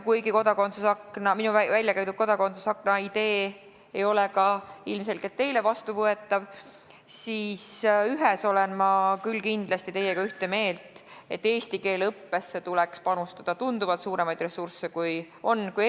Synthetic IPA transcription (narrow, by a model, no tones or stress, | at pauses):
kujɡiko̞d̪̥ɑko̞nsusɑknɑminuvævælʲjɑkæjt̪ut̪̚ko̞d̪ɑko̞nsusɑkˑnɑid̪̥e̞ː | ejo̞lekɑilmse̞lkelt̪ːe̞jle̞vɑst̪uvɤe̞t̪ˑːɑv | siːsyɦeso̞lenmɑkylkind̪̥lɑst̪it̪e̞jːeɡ̥ɑyht̪e̞me̞ːlt̪ˑe̞t̪ːe̞ːst̪ike̞ːlɤpːesːe̞t̪ulɛkspɑnust̪ɑd̪̥ɑt̪und̪uvɑlt̪suːɾe̞mɑjd̪re̞sːursːe̞kuj | o̞nːkuj